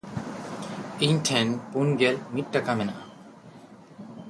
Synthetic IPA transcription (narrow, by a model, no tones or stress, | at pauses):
iɲʈʰɛnpunɡɛlmit̚ˀʈːakamɛnaʔa